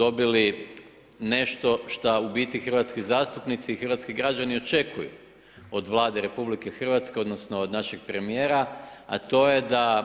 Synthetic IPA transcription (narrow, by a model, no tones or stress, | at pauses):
d̪o̞bili | ne̞ʃt̪o̞ʃt̪aubiːt̪ixər̩ʋat̪skizaːst̪upnit̪siːxrʋat̪skiɡɾad͡ʒanio̞t͡ʃe̞kujṵ | od̪ʋlˠaːd̪e̞ɾe̞publike̞xr̩ʋat̪ske̞o̞d̪no̞sno̞ːd̪naʃeɡ̥̚pɾe̞mije̞ːɾaa̰t̪o̞je̞d̪a